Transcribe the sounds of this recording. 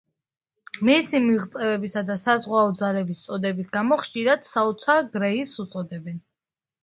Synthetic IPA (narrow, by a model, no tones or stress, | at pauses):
mɛsimiʁt̪sʼɛvɛbisad̪asazʁwaɔd̪zalɛbist̪sʼɔd̪ɛbisɡamɔχʃiɾad̪̥saut̪sʰaɡɾɛisut̪sʼɔd̪ɛbɛn